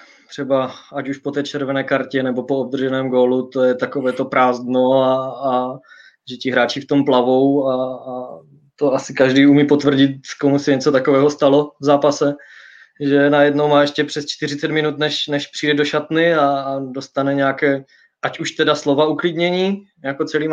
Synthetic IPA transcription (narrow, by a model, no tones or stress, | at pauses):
t̪r̝̥ɛbaacuʃpot̪ɛːt͡ʃɛɾvɛnɛːkaɾcɛnɛbopoob̚d̪r̩ʒɛnɛːmɡoːlut̪o̞jɛt̪akovɛːt̪o̞pɾaːzd̪noaː | ʒɛcɪɦɾaːt͡ʃɪft̪o̞mplavowaː | t̪o̞asɪkaʒdiːumiːpot̪vr̩ɟɪt̪komusɛɲɛt͡sot̪akovɛːɦost̪alo̞vzaːpasɛ | ʒɛnajɛdnowmaːɛʃcɛpr̝̥ɛst͡ʃt̪ɪr̝ɪt͡sɛt̪mɪnut̪nɛʃnɛʃpr̝̥iːdɛdoʃat̪nɪaːdo̞st̪anɛɲɛakɛː | ʔacuʃt̪ɛdaslovauklɪd̪ɲɛɲiː | jakot͡sɛliːm